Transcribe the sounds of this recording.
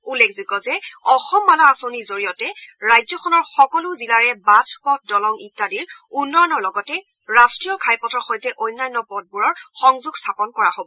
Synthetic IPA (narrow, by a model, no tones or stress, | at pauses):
ulːekʰzuɡɔzɛɔxɔmːalaːsonizoɹijɔtɛɹajzɔxʰɔnɔɹxɔkɔluzilaɹɛbatʰpɔt̚ʰdɔlɔŋitːadiɹunːɔjɔnɔɹlɔɡɔtɛ | ɹastɹijɔkʰajpɔtɔɹxɔjtɛʔɔjnːajnːɔpɔd̚buɹɔɹxɔŋzuɡstʰapɔnkɔɹaɦobɔ